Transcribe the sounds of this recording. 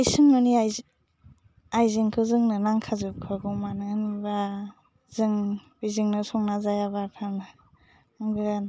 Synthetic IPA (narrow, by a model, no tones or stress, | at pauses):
ajsɯŋnɔnia | ajzɯŋkʰɯzɯŋnɯnaŋkʰazɯp̚kʰɯɡɔmanɯniba | zɯŋb̥izɯŋnɯsɔŋnazajabakʰanɯ | aŋɡɯɡan